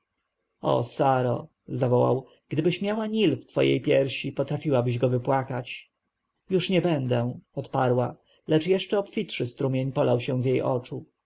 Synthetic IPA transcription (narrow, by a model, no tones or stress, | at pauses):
ɔ̰saɾɔ̰ | zavɔwa̰w | ɡ̥d̪ɘbɘɕmʲjawaɲilft̪fɔ̰jʔḛjpʲjɛɾɕipɔt̪ɾafʲiwabɘʑɡɔvɘpwakat͡ɕ | juʂɲɛbɛnd̪ɛ̃ɔt̪paɾwa | lɛt͡ʂjɛʂt͡ʂɛɔpfʲitʂɘst̪ɾumʲjeɲpɔlawɕɛ̃zjejʔɔ̰t͡ʂu